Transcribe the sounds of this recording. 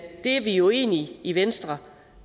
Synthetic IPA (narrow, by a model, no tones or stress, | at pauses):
d̥e̝æɐʋijo̝e̝̰ːniiʋensd̥ʁɐ